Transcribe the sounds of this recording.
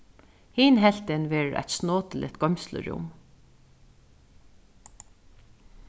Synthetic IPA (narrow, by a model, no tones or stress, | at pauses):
hiːnɦɛl̥t̪ɪnʋɛːɹʔæ̰t̪snoːt̪əlɪ̰t̪ɡ̥ɔmʲslə̰ɹʊ̰m